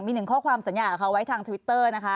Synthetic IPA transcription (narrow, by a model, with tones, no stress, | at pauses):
miː˧nɯ˨˩ŋkʰɔː˥˩kʰwaː˧msa˩˦njaː˧˩ʔa˨˩kʰa˦˥wa˦˥jt̪ʰaː˧ŋt̪ʰa˧wi˦˥t̪ːɤː˥˩na˦˥kʰa˦˥